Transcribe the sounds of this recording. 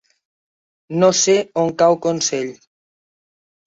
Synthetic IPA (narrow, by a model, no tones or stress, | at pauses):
noseoŋkawkonseʎ